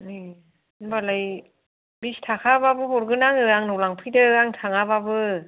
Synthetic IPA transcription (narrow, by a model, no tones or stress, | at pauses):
ɯj | nbalaj | bistʰakʰababɯhɔɾɡɯnaŋɯaŋnɔwlaŋpʰɯjdɯaŋtʰaŋababɯ